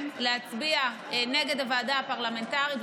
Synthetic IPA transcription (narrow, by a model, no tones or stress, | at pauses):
lehat͡sbia | ne̞ɡe̞davaːdaapaʁlame̞ntaʁit